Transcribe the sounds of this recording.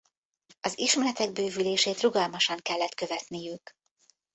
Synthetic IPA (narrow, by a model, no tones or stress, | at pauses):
ɒziʃmɛlɛt̪ɛɡ̚bøːvyleːʃeːt̪ruɡɒlmɒʃɒŋkɛlːɛt̪kø̞vɛt̪nijyk